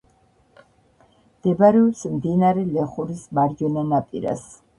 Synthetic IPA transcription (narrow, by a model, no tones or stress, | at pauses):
d̪̥ɛbɾɛɔpsmd̪inaɾɛlɛχuɾismaɾd͡ʒɔnɛnapʼḭɾa̰s